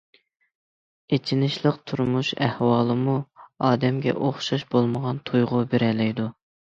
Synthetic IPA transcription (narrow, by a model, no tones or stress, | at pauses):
et͡ʃʰinɪʃlˠəqt̪ʰuɾmuʃæhwɑːlˠɨmuɑːd̪ɛmɡʲɛ̰ʔoχʃɑʃbolˠməʁɑnt̪ʰujʁʊbeɾɛlɛjd̪u